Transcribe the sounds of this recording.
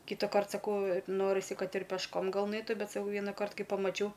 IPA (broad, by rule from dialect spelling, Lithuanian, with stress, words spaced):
kʲɪtɐˈkɐrt sɐˈkɐʊ ˈnoːrʲɪsʲɪ ˈkɐt ɪr pʲɛʃˈkoːm ɡɐlˠ ˈnɐɪtʊ ˈbʲɛt sɐˈkɐʊ ˈʋʲiɛnɐkɐrt ˈkɐɪ pɐmɐˈt͡ʃʲɛʊ